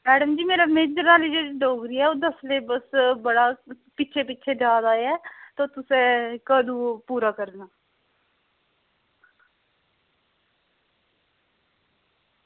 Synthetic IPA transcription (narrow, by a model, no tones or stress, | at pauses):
mɛːɖəmd͡ʒiːmeːɾameːd͡ʒɾaːlid͡ʒet͡ʃɖoːɡɾiːɛːoːd̪əslebəsbəɽaː | pɪːʃʰeːpɪtːt͡ʃʰeːd͡ʒaːd̪aːɛːt̪oːt̪ʊsẽːkəd̪uːpuːɾaːkəɾd̪naː